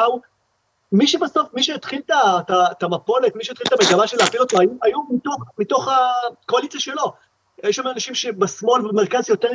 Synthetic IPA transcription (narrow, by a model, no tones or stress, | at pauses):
aw | miʃebaso̞fmiʃet̪χilt̪at̪at̪amapo̞let̪miʃet̪χilt̪ameɡamaʃeleapilot̪oajuʔajumit̪oχmit̪o̞χakoalit͡saʃelo̞ | jeʃamenanaʃimʃebasmo̞lvemeʁkazjo̞t̪e